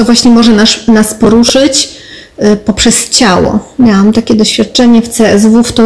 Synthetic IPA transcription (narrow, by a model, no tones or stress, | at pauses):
t̪ɔvwaɕɲɛmɔʐɛnaʂnaspɔɾuʂɘt͡ɕ | pɔpʂɛst͡ɕawɔ̰mʲjawamt̪akʲɛd̪ɔɕfʲjat̪̚t͡ʂɛɲɛft̪sɛɛzvuft̪ɔ